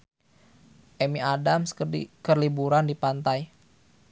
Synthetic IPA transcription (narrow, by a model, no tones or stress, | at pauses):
ʔɛmiadamskərlibuɾandipant̪aj